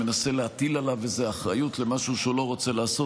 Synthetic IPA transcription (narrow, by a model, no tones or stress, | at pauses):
menase̞leat̪ilalavezeaχʁajut̪le̞maʃuʃeulo̞ʁo̞t͡se̞laːso